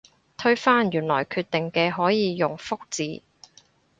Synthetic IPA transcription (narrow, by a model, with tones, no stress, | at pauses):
t̪ʰɵ˥ɥfaː˥njyː˨˩nlɔː˨˩jkʰyː˧t̪ːɪ˨ŋkɛː˧ɦɔː˨˥jiː˨˧jʊ˨ŋfʊ˥k̚t͡siː˨